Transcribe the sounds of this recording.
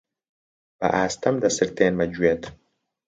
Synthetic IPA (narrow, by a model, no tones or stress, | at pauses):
b̥ɐ̰ʔaːst̪ɐmd̪ɐsɨɾt̪eːnmɐd͡ʒuet̪ʰ